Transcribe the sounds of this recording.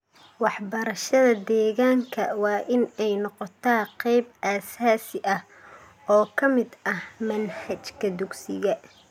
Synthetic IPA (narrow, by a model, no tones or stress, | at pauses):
wɑħbɐɾɐʃɐðɐd̪ɛːɣaːŋkʰɐ̰wɑːʔɪnɛjnɔqɔt̪ʰaːqɛjbʔaːsaːsɪʔɐh | ɔːkʰɐmɪd̪ɐhmɐnhɐt͡ʃkʰɐd̪ʊɡsɪ̰ɣɐ